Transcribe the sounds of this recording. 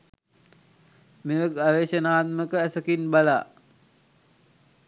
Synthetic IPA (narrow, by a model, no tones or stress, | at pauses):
meʋəkaʋeːʃənaːt̪̚məkəæsəkinbalaː